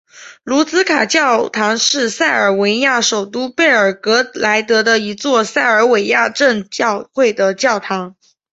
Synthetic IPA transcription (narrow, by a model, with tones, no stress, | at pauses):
lu˧˥t͡sɹ̩˥kʰa˨˩t͡ɕjɑ˥˩ʊt̪ʰɑ˧˥ŋʂɻ̩˥˧sa˥˩ɪə˞˨˩we˧˥ɪja˥˩ʂo˨˩ʊt̪u˥pe˥˩ɪə˞˨˩kɤ˧˥la˧˥ɪt̪ɤ˧˥d̪ə˧i˧˥t͡swɔ˥˧sa˥˩ɪə˞˧˥we˨˩ɪja˥˧ʈ͡ʂə˥˧ŋt͡ɕɑ˥˧ʊxwe˥˩ɪd̪ə˩t͡ɕjɑ˥˩ʊt̪ʰɑ˧˥ŋ